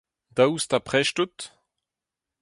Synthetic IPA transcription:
d̪awust̪apχɛʃtut̪

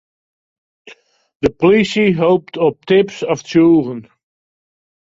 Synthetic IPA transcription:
dəpɔlisiɦowp̚tɔp̚tɪpsɔft͡ʃuːʁən

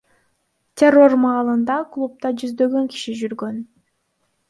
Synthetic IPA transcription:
tʲero̞rmɑːlˠɯnd̪ɑklˠup̚t̪ɑd͡ʒyzd̪ø̞ɡø̞ŋki̥ʃid͡ʒyɾɡø̞n

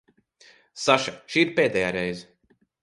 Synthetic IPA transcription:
saʃaʃiːiɾpeːd̪ɛːjaːɾɛjz

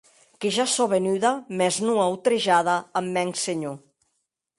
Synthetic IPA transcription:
keʒasɔβenyðamɛznuawt̪ɾeʒaðaːmːɛŋseɲo

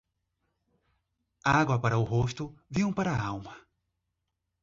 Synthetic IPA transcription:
aɡwɐpaɾɐʊɦoʃt̪ʊvĩɐ̃paɾɐawmɐ

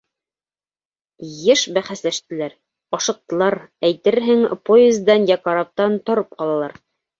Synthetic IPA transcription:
jɘʃbæχæslæʃt̪ɘ̆læɾ | ɒʃɤ̆q̚t̪ɤ̆lˠɑɾæjt̪ɘɾɦɘŋpoezd̪ɑnjɑkɑɾɑp̚t̪ɑnt̪ŏɾɤp̚qɑlˠɑlˠɑɾ

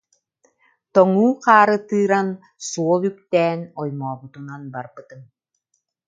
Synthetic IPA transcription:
t̪ɔŋuːqaːɾɯt̪ɯːɾan | suɔlˠykt̪ɛːnɔjmɔːbut̪unanbaɾbɯt̪ɯm

